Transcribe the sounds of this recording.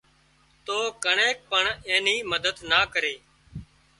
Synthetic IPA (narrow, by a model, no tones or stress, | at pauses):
t̪oːkəɳeːk̚pəɳẽːniːməd̪əd̪naːkəɾeː